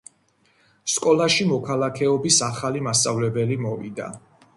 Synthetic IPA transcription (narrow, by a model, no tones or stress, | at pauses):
skʼɔlaʃimɔkʰalakʰɛɔbisaχalimast̪sʼavlɛbɛlimɔvḭd̪a̰